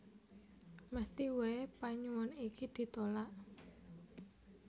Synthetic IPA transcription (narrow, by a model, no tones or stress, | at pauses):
məst̪iwepaɲuwɔnikid̪̥i̤t̪olaʔ